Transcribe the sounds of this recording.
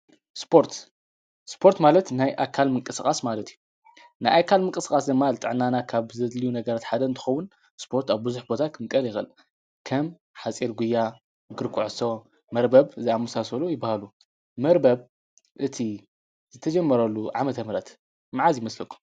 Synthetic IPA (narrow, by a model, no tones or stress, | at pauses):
spʰo̞ɾt̪ | spʰo̞ɾt̪malɐt̪najʔakʰːalmɨŋkʼɨskʼasmalɐt̪ʰiju | najakʰːalmɨŋkʼɨskʼasd̪ɨmːalɨt̪ʼɨʕnanakʰaβzɐlijunɐɡɐɾat̪ħad̪ɐnt̪ʰɨxɐwʊn | spʰo̞ɾt̪aβbɨzuħbo̞t̪ʰakʰɨmɨkʼːɐljɪxɨ̰l | kʰɐm | ħat͡sʼiɾɡujːa | ɡɨɾkʷʰuʕɨso | mɐɾbɐβɨzɐamɐsasɐlujɪbːahalu | mɐɾbɐβ | ʔɨt̪ʰi | zɨt̪ʰɐd͡ʒɐmːɐɾɐlːuʕamɐt̪ʰɐmɾɐt̪ | maʕazjɪmɐslɐkʰːu̥m